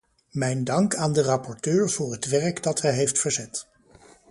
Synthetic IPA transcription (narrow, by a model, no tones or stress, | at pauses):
mɛjndɑŋkaːndərɑpɔɹtøːɹv̥ʊːɹɦətʋɛɹkdɑtɦɛjɦejftfəɹzɛt